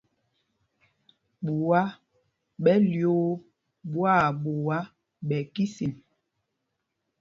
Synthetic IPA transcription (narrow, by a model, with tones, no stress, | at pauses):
ɓu˨wa˦ | ɓɛ˦ljo˦ | ɓwa˦˨ɓo˨wa˦ | ɓɛ˨ki˦si˨n